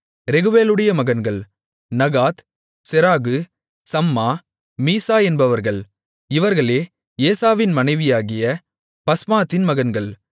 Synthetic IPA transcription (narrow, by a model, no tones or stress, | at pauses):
ɾɛɣɯʋeːlɯɽɐjɐmɐɣɐnɡɐɭ | nɐɣaːt̪ | sɛɾaːɣɯ | sɐmːaː | miːsaːɛnbɐʋɐɾɣɐɭ | ɪʋɐɾɣɐɭeː | eːsaːʋɪnmɐnɐɪʋɪjaːɣɪjɐ | pɐsmaːt̪ːɪnmɐɣɐnɡɐɭ